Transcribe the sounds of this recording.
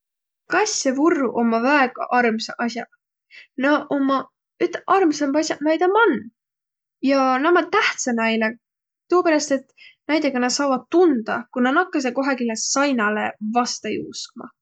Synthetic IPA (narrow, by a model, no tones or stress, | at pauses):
kɑsʲːevurːuʔo̞mːɑvæeɡ̥ɑ̰ʔɑrmseʔɑsʲjɑ | nɑʔomːɑ | yt̪ːˑʔɑrmsɑmɑsʲjɑʔnɑjd̪ɑmɑnː | jɑnɑmɑt̪æht̪sɑnɑjne | t̪uːpeɾɑst̪e̞t̪næjd̪eɡ̥ɑnɑd̪sɑːvɑd̪̥̚t̪und̪̥ɑkunɑnɑkːˑɑs̬eko̞ɦekilesɑjnɑlevɑst̪ɑjṵːskmɑ̰